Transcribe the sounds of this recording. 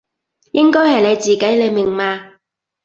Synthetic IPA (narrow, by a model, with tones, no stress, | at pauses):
jɪ˥ŋkɔː˥jhɐ˨jle˨˧jt͡siː˨ke˨˥jle˨˧jmɪ˨˩ŋmaː˧